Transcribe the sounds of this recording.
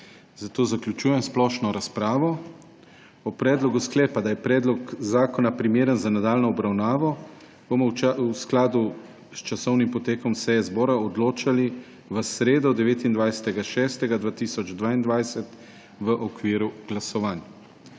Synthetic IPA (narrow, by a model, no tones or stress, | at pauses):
zat̪oːzaklʲut͡ʃuːjɛmsplɔːʃnɔɾaspɾaːʋɔ | ɔpɾɛːd̪lɔɡusklɛːpad̪ajɛpɾɛːd̪lɔkzaːkɔnapɾimeːɾənzanad̪aːlnɔɔbɾawnaːʋɔ | b̥omɔsklad̪u | st͡ʃasɔwnimpɔt̪eːkɔmsɛjɛzbɔːɾaɔd̪loːt͡ʃali | ʋəsɾeːd̪ɔd̪ɛʋeːt̪ind̪ʋajsɛ̥t̪ɛɡaʃɛːst̪ɛɡad̪ʋaːt̪iːsɔd͡ʒd̪ʋaːind̪ʋajsɛt̪ | ʋəʔɔkʋiːɾuɡ̥lasɔʋaːnja